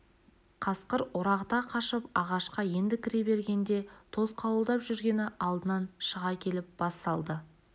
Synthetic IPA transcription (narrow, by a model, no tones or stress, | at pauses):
qʰɑsqəɾʊɾɑqt̪ɑqʰɑʃəpɑʁɑʃqɑje̞nd̪ɪkʲʰɪɾe̞be̞ɾɡʲe̞nd̪e̞t̪ʰo̞zqʰɑwəlˠd̪ɑpʒʏɾɡʲe̞nɪʔɑlˠd̪ənɑnʃəʁɑkʲʰe̞lɪp̚b̥ɑst̪ɑlˠd̪ə